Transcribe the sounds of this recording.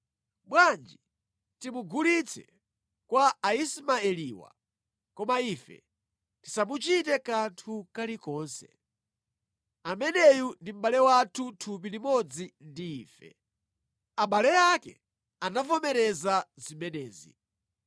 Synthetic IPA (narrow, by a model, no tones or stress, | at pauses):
ɓwand͡ʒi | timuɡulit͡sʰɛ̰ | kwaːismaɛliwa̰ | kɔmaifɛ̰ | ti̥samut͡ʃitɛkantʰukalikɔːnsɛ | amɛnɛjundim̩bɓalɛwatʰutʰup̬ilimɔd͡zindiːfɛ̰ | aɓalɛjakɛ̰ | anavɔmɛɾɛzazimɛnɛːzḭ